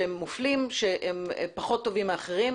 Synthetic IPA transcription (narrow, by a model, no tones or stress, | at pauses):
emːuflimʃeʔem̰paχo̞t̪ːo̞vimeaχeʁim